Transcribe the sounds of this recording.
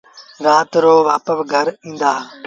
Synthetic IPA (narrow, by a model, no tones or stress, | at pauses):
ɾaːt̪ɾoːʋaːpəʋɡʱəɾĩːn̆d̪aː